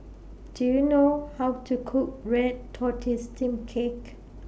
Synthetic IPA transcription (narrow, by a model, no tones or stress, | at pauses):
d̥ujunohawtʰukʰuk̚ɹɛd̚tʰɔtʰistʰĩmkʰek